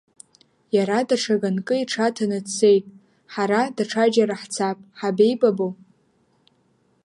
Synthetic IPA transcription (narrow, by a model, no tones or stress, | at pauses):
jaɾadaʈ͡ʂʰaɡankʼɨiʈ͡ʂʰatʰanɨt͡sʰe̞jtʼ | ħaɾadaʈ͡ʂʰad͡ʒaɾaħt͡sʰapʼħabe̞jbʼabow